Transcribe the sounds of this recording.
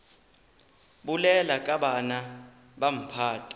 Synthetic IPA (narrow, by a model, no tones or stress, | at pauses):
ɓulɛlakʼaɓana | ɓam̩pʰaːtʰʼḁ